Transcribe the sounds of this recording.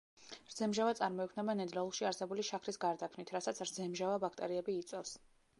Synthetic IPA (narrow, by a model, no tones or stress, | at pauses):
ɾd̪zɛmʒavat̪sʼaɾmɔikʰmnɛbanɛd̪lalˠχʃiaɾsɛbuliʃakʰɾisɡaɾd̪akʰnit̪ʰɾasat̪sʰɾd̪zɛmʒavabakʰt̪ʼɛɾiɛbiːt̪sʼɛfs